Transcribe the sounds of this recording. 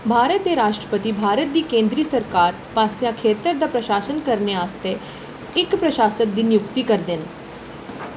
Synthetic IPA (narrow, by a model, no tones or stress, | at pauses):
bʱaːɾət̪ːeːɾaːʃʈɾəpət̪iːbʱaːɾət̪̚d̪iːkẽːnd̪ɾiːsəɾkaːɾ | pãːsjãːkʰeːt̪əɾd̪aːpɾəʃaːsənkəɾneaːst̪e | ɪkpɾəʃaːsən̚d̪iːnɪjʊkt̪iːkəɾd̪ɪn